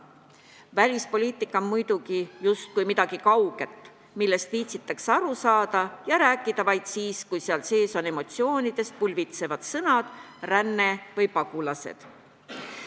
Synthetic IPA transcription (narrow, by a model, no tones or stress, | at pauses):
vælʲispo̞lʲiːt̪ˑikːˑɑmmujd̪̥uɡijust̪̚kujmid̪̥ɑɡ̥ikɑwɡ̥e̞t̪ːˑ | milːe̞st̪viːt̪sit̪ːˑɑksɑɾusɑːd̪̥ɑjɑɾæːkːˑid̪̥ɑvɑjd̪̥siːskujseɑlse̞ːso̞ne̞mo̞t̪sio̞ːnid̪̥e̞st̪̚pulʲvit̪se̞vɑd̪̥sɤnɑd̪̥rænːe̞vɤjpɑɡ̥ulɑse̞̰d̪̥